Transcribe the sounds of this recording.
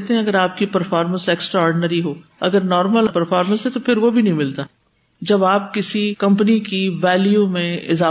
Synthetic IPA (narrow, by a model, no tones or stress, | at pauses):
t̪eɦɛ̃ɐɡəɾaːp̚kipɐɾfaːɾmə̃nsɛːksʈɾaɔːɾɖɪnəɾiɦoːɐɡəɾnɔːɾməlɐpɐɾfaːɾmə̃nsɦɛt̪opʰɪɾʋobʱinɐɦĩmɪlt̪aː | d͡ʒɐbaːp̚kɪsikɐ̃mpənikiʋɛːljumẽɪzaː